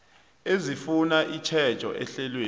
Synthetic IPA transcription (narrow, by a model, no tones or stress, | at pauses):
ezifunaʔit͡ʃʰɛ̥t͡ʃʼɔ̰ʔɛɬɛlweː